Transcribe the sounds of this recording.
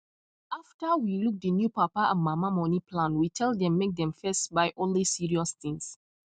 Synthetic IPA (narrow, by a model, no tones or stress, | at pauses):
aftəwiluk̚d̪ənjupapaʔãnmamamɔnipʰlãnwitʰɛlˠddɛ̃mːek̚d̪ɛ̃mfɛstbaɪʔɔ̃nlisiɹiɔsθĩŋs